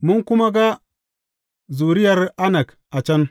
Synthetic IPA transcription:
mu˦ŋku˦ma˦ɡa˦ | zu˨ɾi˦ja˨ɾa˦na˨k | a˨t͡ʃa˦n

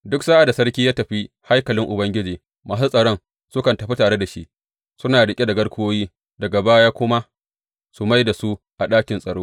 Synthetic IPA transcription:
dʊ˦ksaː˦ʔa˨da˨sɐ˦rkʲiː˦jaː˦tɐ˨ɸi˦ | ha˦jkɐ˨lɪ˦ŋʔʊ˨bɐ˦ŋɡʲɪ˦d͡ʒiː˨ | ma˦su˦sʼɐ˨ɽɔ˦ŋ | sʊ˦kɐ˨ntɐ˨ɸi˦taː˨ɽe˦da˨ʃi˦ʔ | sʊ˦naː˨ɽɪ˨kʲʼi˦da˨ɡɐ˦ɽkʷoː˦jiː˦ | dɐ˨ɡa˨baː˦jaː˦kʷʊ˦ma˦ | su˨ma˦jda˨su˦ | ʔa˨ɗaː˦kʲɪ˨nsʼɐ˨ɽoː˦

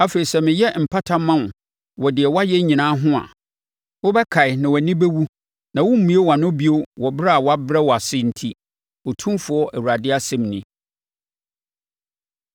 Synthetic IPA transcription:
a˨fe˨ɾi˨sɛ˦˨mɪ̃˨jɛ˦m̩˨pʰa˦tʰa˦mã˦n˨ | wɔ˨dɪ˨ɛ˨wa˦jɛ˦ɲĩ˨nãː˦ɦʊ̃˦a̰˨ | wʊ˦bɛ˦kʰa˨ɪ˨nã˨wɔ˨nĩ˦be˦wu˦ | nã˨wʊ˦m̩˦mũ˨˦e˦wa˨nʊ̃˦bi˦o˦wɔ˨bɾa˦a˨wɔ˦a˦bɾɛ˦wɔ˨a˨sɪ˦n̩˨tʰi˦ | ɔ˨tʰũ˦mfʊ˨˦ɔ˦ʔæ˨wu˨ɾa˨dɪ˦a˦sɛ̃˦mnɪ̃˦

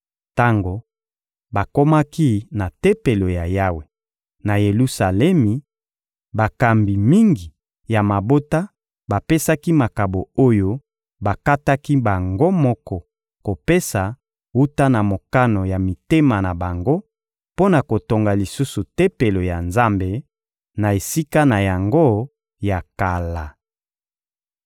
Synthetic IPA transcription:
ta˦ŋɡo˨ | ba˨ko˦ma˦ki˦na˨te˦pe˨lo˨ja˨ja˦we˨ | na˨je˨lu˦sa˨lɛ˦mi˨ | ba˨ka˨mbi˨mi˦ŋɡi˨ | ja˨ma˨bo˦ta˦ | ba˨pe˦sa˦ki˦ma˨ka˨bo˨o˦jo˦ | ba˨ka˦ta˦ki˦ba˨ŋɡo˦mɔ˦kɔ˨ | ko˨pe˦sa˨ | wu˦ta˦na˨mo˨ka˦no˨ja˨mi˨te˦ma˨na˨ba˨ŋɡo˦ | po˦na˨ko˨to˨ŋɡa˨li˨su˦su˨te˦pe˨lo˨ja˨nza˦mbe˨ | na˨e˨si˦ka˦na˨ja˨ŋɡo˦ | ja˨ka˨la˨

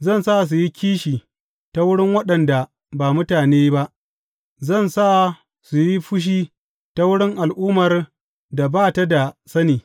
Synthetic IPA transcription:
zɐ˦˨nsa˦ʔs̬u˨ji˦kʲiː˦ʃiː˨ | ta˦wʊ˦ɽɪ˦ŋwɐ˦ɗɐ˨nda˨ | baː˨mʊ˦taː˨neː˦ba˦ʔ | zɐ˦˨nsa˦ʔ | su˨ji˦ɸʊ˦ʃ̬iː˦ | ta˦wʊ˦ɽɪ˦ŋʔa˨lʔuː˦mɐ˨r | da˨baː˦˨ta˦da˨sɐ˦niː˨

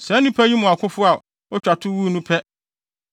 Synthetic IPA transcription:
sɛ˨˦nʊ̃˦pʰɛ˦ji˦mʊ̃˨a˨kʰʊ˦fʊ˦a˨ | ɔ˦t͡ɕᶣa˨tʰʊ˦wu˦˨nũ˦pʰɛ˦

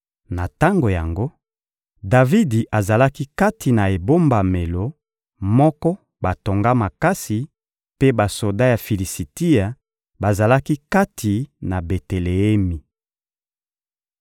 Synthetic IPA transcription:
na˨ta˦ŋɡo˨ja˨ŋɡo˦ | da˨vi˦di˨ʔa˨za˨la˦ki˦ka˦tʰi˨na˨e˨bo˦mba˨me˨lo˨ | mɔ˦kɔ˦ | ba˨to˨ŋɡa˦ma˨ka˦si˨ | pe˦ba˨so˨da˦ja˨fi˨li˨si˨ti˦ja˨ | ba˨za˨la˦ki˦ka˦tʰi˨na˨be˨te˨le˨e˦mi˨

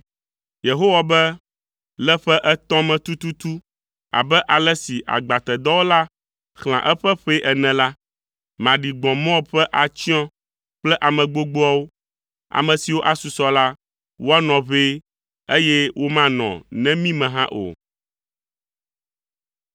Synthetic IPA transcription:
je˨ɦo˦wa˨bɛ˦ | lɛ˦ɸɛ˦ʔɛ˦t̪ɔ̃˦mɛ̃˨t̪u˦t̪u˦t̪u˦ | a̰˨bɛ˦ʔa˨lɛ˦si˨ʔa̰˨ɡ͡ba˨t̪ɛ˨d̪ɔ˦wo˦la˦ | xl̃ã̰˨ʔɛ˦ɸɛ˦ɸe˦ʔɛ˨nɛ̃˨la˦ | mã˨ɖi˨ɡ͡bɔ̃˨mɔ̃˦ɸɛ˦ʔa˨t͡ɕi˦ɔ̃˦ | k͡plɛ˦ʔa˨mɛ̃˨ɡ͡bo˦ɡ͡bo˦a˦wo˦ | a̰˨mɛ̃˨si˨wo˦ʔa˨su˨sɔ˨˦la˦ | wo˦a˦nɔ̃˨βe˦ | e˦jɛ˦wo˦mã˦nɔ̰̃˨nɛ̃˦mĩ˦mɛ̃˨ɦã˦ʔo̰˨

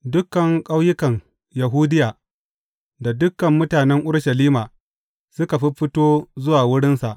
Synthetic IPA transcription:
dʊ˦kːɐ˨ŋkʼa˦wjɪ˦kɐ˨ŋ | ja˨ɦuː˦dɪ˦jaː˨ | da˨dʊ˦kːɐ˨mːʊ˦taː˨nɛ˦ŋʔʊ˦ɽʃɐ˨liː˦maː˨ | sʊ˦ka˨ɸi˦ɸɪ˦toː˦zʊ˦waː˨wʊ˦ɽɪ˦nsa˨ʔ

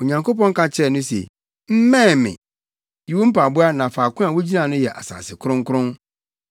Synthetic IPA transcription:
o˨ɲã˨ŋko˦pɔ̃˦ŋ˦kʰa˦t͡ɕʰɛ˦˨nʊ̃˦sḛ˨ | m̩˦mɛ̃˦˨mɪ̰̃˨ | ji˨wo˦m̩˦pʰa˨bʊ˦a˦nã˨faː˨kʊ̃˦a˨wo˦d͡ʑi˦nã˨nʊ̃˦jɛ˨ʔa̰˨sa̰ː˨sɪ˨kʰʊ˦ɾʊ̃˦ŋ˦kʰʊ˦ɾʊ̃˦n

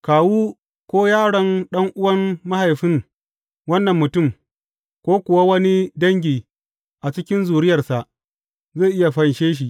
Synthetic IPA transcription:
kaː˨wuː˦ | kʷoː˦jaː˦ɽɐ˨nɗɐ˦ŋʔʊ˦wɐ˦nma˦ha˨jɸɪ˦ŋ | wɐ˦nːɐ˨mːʊ˨tʊ˦˨m | kʷoː˦kʷʊ˨wa˦wɐ˦ni˦dɐ˦ŋɡʲiː˨ | ʔa˨t͡ʃɪ˦kʲɪ˦nzuː˨ɾɪ˦jɐ˨rsa˨ʔ | zeː˦˨ʔɪ˦ja˨ɸɐ˦nʃeː˦ʃ̬i˨ʔ

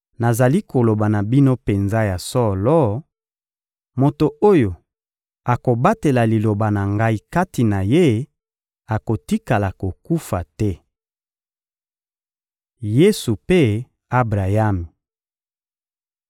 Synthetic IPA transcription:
na˨za˨li˦ko˨lo˨ba˨na˨bi˦no˦pe˨nza˦ja˨sɔ˦lɔ˦ | mo˨to˨ʔo˦jo˨ | a˨ko˨ba˦te˨la˨li˨lo˨ba˨na˨ŋɡa˦i˦ka˦ti˨na˨je˦ | a˨ko˨ti˦ka˨la˨ko˨ku˦fa̰˨tɛ˦ | je˦su˨pe˦ | a˦bʁa˨ja˦mi˨

